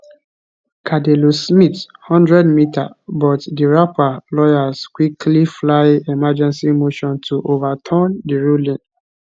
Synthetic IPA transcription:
kʰadelosmithɔ̃ndɹɛdmita̰bɔtdiɹapalɔjaskwikʰliflaɪemad͡ʒɛ̃nsimoʃɔ̃ntʰuʔovatʰãndiɹulĩn

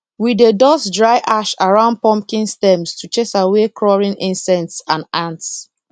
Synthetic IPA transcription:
widedɔsdɹaɪʔaʃaɹãʊ̃nd̚pɔ̃mpkĩnstɛ̃mstʰut͡ʃesawekʰɹɔɹĩnĩnsɛ̃ntsãnãnts

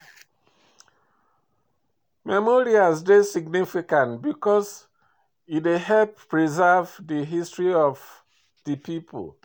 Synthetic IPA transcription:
mɛmoɹiasdesiɡnifikãntbikɔs | iteɦɛlpː | ɹizavdiɦistɹiɔv | dəpipʰo̰l

